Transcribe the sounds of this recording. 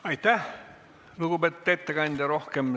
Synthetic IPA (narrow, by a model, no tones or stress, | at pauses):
ɑjt̪ːæh | luɡubet̪t̪ːet̪ːekɑnʲd̪ɑɾo̞hkem